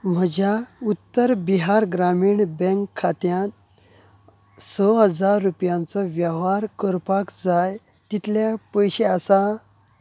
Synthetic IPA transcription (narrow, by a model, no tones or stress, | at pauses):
m̤əd͡ʑaut̪ːəɾbiɦaɾɡɾamiːɳbɛ̃ŋkʰːat̪jãn | sɔɦəd͡zaɾːupjãnt͡sɔʋjəʋaɾkəɾpakd͡zaj | t̪it̪ʰljapəjɕeasa